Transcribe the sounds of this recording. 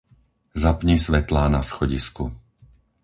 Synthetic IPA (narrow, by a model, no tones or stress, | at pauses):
zapɲisʋɛt̪laːnasxɔɟisku